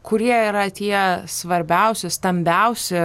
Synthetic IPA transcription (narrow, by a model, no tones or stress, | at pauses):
kʊɾʲiɛiɾɐt̪ʲiɛsʋɐɾʲbʲɛʊsʲɪst̪ɐmʲbʲɛʊsʲɪ